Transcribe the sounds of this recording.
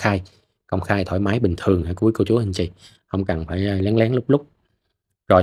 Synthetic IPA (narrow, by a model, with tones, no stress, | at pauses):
xaː˧j | kə˧wŋ͡mxaː˧jt̪ʰoː˧˩jmaː˨˦jɓï˨˩ŋ̟t̪ʰɨ˨˩əŋhaː˧˩ku˨˦jko˧t͡ɕu˨˦hi˧ŋ̟t͡ɕḭ˧˨ | hə˧wŋ͡mka˨˩nfaː˧˩jla˨˦ŋlɛː˨˦ŋlʊ˦˥k͡p̚lʊ˦˥k͡p̚ | zo˨˩